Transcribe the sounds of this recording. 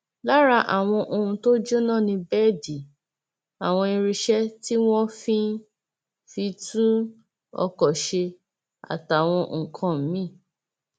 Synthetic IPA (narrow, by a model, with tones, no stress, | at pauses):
la˦ɾa˧ʔa˨w̃ɔ̃˧ʔo˧ũ˧to˦d͡ʒo˦nã˦˨nĩ˧bɛ˦˨di˨ | a˨w̃ɔ̃˧i˧ɾi˧ʃɛ˦ti˦w̃ɔ̃˦fĩ˦ | fi˧tũ˦ | ɔ̰˧kɔ˨ʃe˧ | a̰˨ta˨w̃ɔ̃˧˨kʰã˧m̩˨˦mĩ˦˨